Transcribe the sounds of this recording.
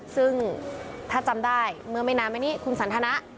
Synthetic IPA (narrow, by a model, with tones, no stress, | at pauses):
sɯ˥˩ŋt̪ʰaː˥˩t͡ɕa˧mdaː˥˩jmɯ˧ma˥˩jnaː˦˥mːʔa˧˩jniː˦˥kʰu˧nsa˩˦nt̪ʰa˧na˦˥ʔ